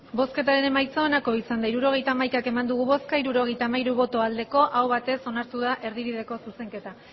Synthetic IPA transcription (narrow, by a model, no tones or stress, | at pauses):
bo̞ske̞t̪aɾe̞ne̞majt͡soenako̞isand̪aiɾuɾo̞ɣ̞e̞jt̪aːmajkake̞mand̪uɣ̞uβo̞skaiɾuɾo̞ɣ̞e̞jt̪aːmaiɾuβo̞t̪o̞ald̪e̞ko̞ʔawβat̪e̞so̞naɾt̪uðaʔe̞ɾðiɾið̞e̞ko̞suse̞ŋke̞t̪a